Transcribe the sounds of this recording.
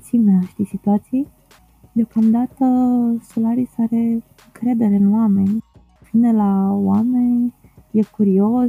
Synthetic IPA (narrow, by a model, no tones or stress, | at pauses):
t̪sineʃt̪isit̪uat̪siij | d̪eo̞kamd̪at̪əsolaɾisaɾe̞ | ɨŋkɾe̞d̪e̞ɾeɨnoame̞nʲ | vinelawame̞nʲjekuɾio̞s